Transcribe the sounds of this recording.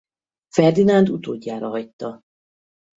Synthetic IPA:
fɛrd̪inand̪ut̪oːɟːaːɾɒɦɒjt̪ːɒ

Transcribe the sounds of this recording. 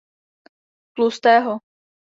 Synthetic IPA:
klust̪ɛːɦo

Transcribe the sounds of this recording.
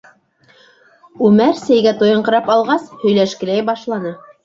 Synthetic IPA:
ʉmæɾsæjɡæt̪ojɤ̆ɴqɤ̆ɾɑpɑlˠʁɑshɵ̆jlæʃkɘ̆læjbɑʃlˠɑnɤ

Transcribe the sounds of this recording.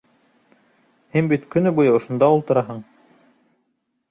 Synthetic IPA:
hinbit̪kɵ̆nɘbujɤŏʃŏnd̪ɑulˠt̪ɤ̆ɾɑɦɤɴ

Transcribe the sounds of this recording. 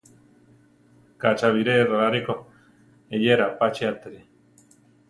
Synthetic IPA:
kat͡ʃaβiɾeraaɾiko | ejeɾapat͡ʃiat̪eɾe

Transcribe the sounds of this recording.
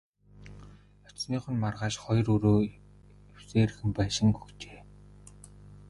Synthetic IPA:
ɔt͡ɕniːχə̆nmarʁaːʃχɔj̆rɵɾoː | iw̥seːɾɘ̆xɘ̆mpæːʃɪ̆ŋkɵxt͡ɕeː

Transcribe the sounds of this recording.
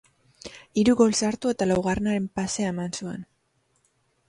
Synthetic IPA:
iɾuɣo̞lsaɾt̪ue̞t̪alawɣarenaɾe̞mpase̞aemansue̞̰n

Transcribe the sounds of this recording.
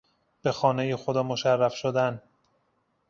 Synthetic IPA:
b̥e̞xɒːnejexod̪ɒːmo̞ʃærːæfʃod̪æn

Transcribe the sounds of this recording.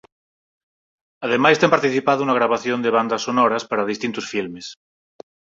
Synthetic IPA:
að̞emajst̪empaɾt̪iθipaðounaɣ̞ɾaβ̞aθjond̪eβ̞and̪asonoɾaspaɾaðist̪int̪osfilmes

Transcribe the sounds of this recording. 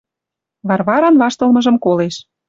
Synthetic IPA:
βɑrβɑɾɑnβɑʃt̪ɤ̆lmɤ̆ʒɤ̆mkoleʃ

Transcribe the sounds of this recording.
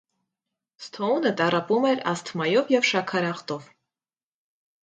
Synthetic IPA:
st̪ʰɔunət̪ɑrɑpumɛɾɑ̰st̪ʰmɑjɔvjɛvʃɑkʰɑɾɑχt̪ɔv

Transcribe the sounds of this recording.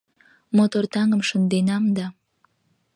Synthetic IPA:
mot̪ort̪ɑŋəmʃənd̪enɑmd̪ɑ

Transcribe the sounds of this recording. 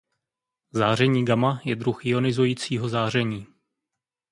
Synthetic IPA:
zaːr̝ɛɲiːɡamajɛdɾuxɪo̞nɪzujiːt͡siːɦo̞zaːr̝ɛɲiː

